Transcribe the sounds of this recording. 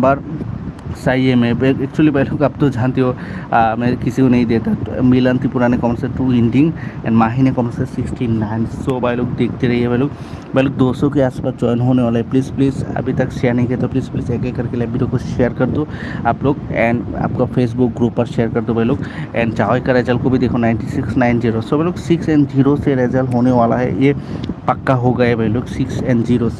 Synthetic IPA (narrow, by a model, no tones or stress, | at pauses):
bɐɾ | saːiemẽbɛk̚t͡ʃuəlibɐloːɡɐb̚t̪od͡ʒaːnt̪iɦomɛ̃ːkɪsikonɐɦĩd̪eːt̪amilə̃nt̪ipʊɾaːnekɔːmənseʈuːɪ̃ɳɖɪ̃ŋɡɛ̰̃ːɳɖmaːɦinekɔmənsesɪksʈinaːɪnsobajloːɡd̪eːk̚ʰt̪eɾɐɦiɦɛbɛloːɡ | bɐloːɡ̚d̪oːsõkeaːspaːsd͡ʒɔːjɪnɦoːneʋaːlaepliːzpliːzɐ̰bʱit̪ɐkʃeəɾnɐɦiket̪opliːzpliːzɛːkekɐɾkeleɐbʱiɾokoʃejəɾkɐɾd̪oaːploːɡɛ̃ːɳɖa̰ːp̚kafeːs̬bʊk̚ɡɾuːpːɐɾʃeːəɾkɐɾd̪obʱɐɦloːɡɛ̃ːɳt͡ʃaːikɐɾɛːd͡ʒəlkobʱid̪eːkʰonaːɪɳʈisɪksnaːɪnd͡ʒiːɾosobeɦloːɡsɪksɛ̃ːɳɖd͡ʒiːɾoseɾɛd͡ʒəlɦoːneʋaːla̰ɦɛ̰jepɐkːaɦoɡɐebɐɦɪloːɡsɪksɛ̃ːɳɖziːɾose